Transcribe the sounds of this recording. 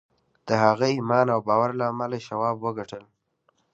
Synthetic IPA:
d̪̥əhaɣaimɑnawbɑwaɾlaːmalaʃawɑbwəɡaʈʰəl

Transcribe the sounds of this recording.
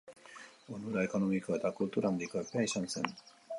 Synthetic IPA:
onuɾaekonomikat̪akɯt̪oɾãnd̪ikapaiɕãnsẽn

